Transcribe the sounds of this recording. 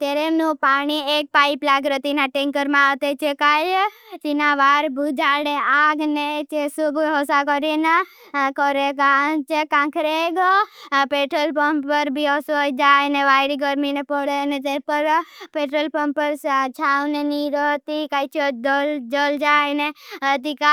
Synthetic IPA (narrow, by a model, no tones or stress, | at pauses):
t̪eɾenũpaniek̚paiplaɡɾət̪inaʈeŋkəɾmãːʋt̪et͡ʃʰekajt͡ʃinaʋaɾbʱud͡ʒaɽeaɡnet͡ʃesubʱɦɔsakɔɾine | kɔɾeɡat͡ʃekãkʰɾeɡpeʈɾəlpəmpəɾbʱiɔsojd͡ʒajneʋajɾiɡəɾminepɔɽeənet̪epəɾpeʈɾəlpəmpəɾt͡ʃʰawneniɾət̪ikajt͡ʃʰodəld͡ʒəld͡ʒajneəd̪ika